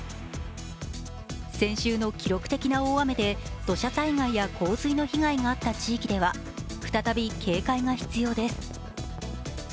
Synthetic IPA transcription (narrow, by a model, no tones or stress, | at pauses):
sẽ̞ɕɨːno̞kʲiɾo̞kɯ̟̥t̪e̞kʲinao̞ːame̞d̪e̞d̪̥o̞ɕasaiŋaijakʰo̞ːzɨino̞çiŋaiŋaːt̪ːat͡ɕiːkʲid̪e̞βa | ɸɯ̟t̪at̪abʲikʰe̞ːkaiŋaçi̥t͡sɨjo̞ːd̪e̞sɨ̥